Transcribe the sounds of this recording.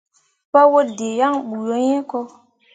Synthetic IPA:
pa˦wo˦de˨ja˦ŋɓu˨jo˦ɲẽ˦ko˦

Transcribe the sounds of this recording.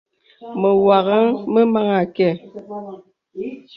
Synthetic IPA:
mə˨wa˨ɣə˦ŋmə˦ma˦ŋa˨kɛ˦˨

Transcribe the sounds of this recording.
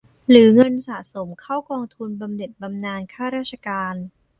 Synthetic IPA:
ɾɯː˩˦ŋɤ˧nsa˨˩so˩˦mkʰa˥˩wkɔː˧ŋt̪ʰu˧nba˧mne˨˩t̪̚ba˧mnaː˧nkʰaː˥˩ɾaː˥˩t̪̚t͡ɕʰa˧kaː˧n

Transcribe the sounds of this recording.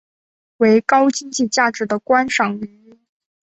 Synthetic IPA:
we˧˥ɪkɑ˥ʊt͡ɕi˥ŋt͡ɕi˥˧t͡ɕja˥˩ʈ͡ʂɻ̩˨˥d̪ə˧kwa˥nʂɑ˨˩ŋy˧˥n

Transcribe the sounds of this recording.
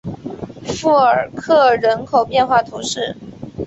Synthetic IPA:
fu˥˩əə˞˨˩kʰɤ˥˩ɻə˧˥nkʰo˨˩ʊpjɛ˥˧nxwa˥˩t̪ʰu˧˥ʂɻ̩˥˩

